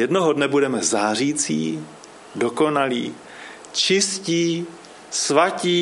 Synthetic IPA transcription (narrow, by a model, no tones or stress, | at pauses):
jɛdnoɦodnɛbudɛmɛzaːr̝iːt͡sḭː | doko̞naliː | t͡ʃɪsciː | svaciː